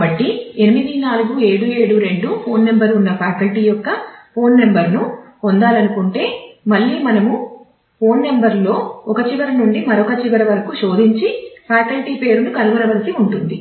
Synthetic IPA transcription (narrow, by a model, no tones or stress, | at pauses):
bɐʈːienimid̪inaːluɡue̞ːɽue̞ːɽuɾe̞ɳɖupʰo̞ːnːe̞mbɐɾunːɐpʰaːkɐlʈiːjɔkːɐpʰo̞ːnːe̞mbɐɾnu | ond̪aːlɐnukuɳʈe̞ːmɐɭːiːmɐnɐmu | pʰo̞ːnːe̞mbɐɾlo̞ːɔkɐt͡ʃiʋɐɾɐnuɳɖimɐɾɔkɐt͡ʃiʋɐɾɐʋɐɾɐkuʃo̞ːd̪iɲt͡ʃipʰaːkɐlʈiːpe̞ːɾunukɐluʋɐɾɐʋɐlɐsiuɳʈund̪i